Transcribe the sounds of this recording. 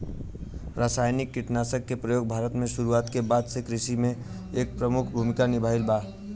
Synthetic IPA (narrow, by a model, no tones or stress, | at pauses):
ɾaːsaːjnɪkːɪʈnaːsəkːepɾəjoːɡ̚bʱaːɾət̪mẽʃʊɾuaːt̪kebaːd̪sekɾɪʃimẽ | eːk̚pɾəmʊkʰbʱumɪkanɪbʱaːɪlbaː